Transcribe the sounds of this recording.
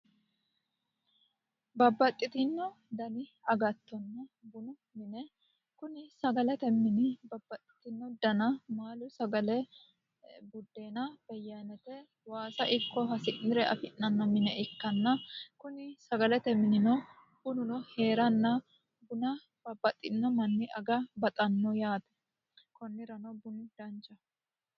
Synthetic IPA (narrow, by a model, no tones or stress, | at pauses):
bɐbːɐt̪ʼːɪt̪ɪnːɔd̪ɐnɪɐɡɐt̪ːɔnːɐbʊnʊ | mɪnɛ | kʊnɪsɐɡɐlɛt̪ɛmːɪnɪbɐbːɐt̪ʼːɪ̥t̪ɪnːɔd̪ɐnɐmaːlʊsɐɡɐlɛ | bʊd̪ːeːnɐb̥ɛjːanɛt̪ɛ | waːsɐʔɪkːɔɦɐsɪnːɪɾɛʔɐ̰fɪnːɐnːɐmɪnɛɪkːɐnːɐkʊnɪsɐɡɐlɛt̪ɛmɪnɪnɔ | bʊnʊnɔhe̞ːɾɐnːɐ | bʊnɐ | b̥ɐbːɐt̪ʼːɪnːɐmɐnːɪʔɐɡɐbɐt̪ʼɐnːɔjaːt̪ɛ̥ | kɔnːɪɾɐnɔbʊnd̪̥ɐnt͡ʃɐ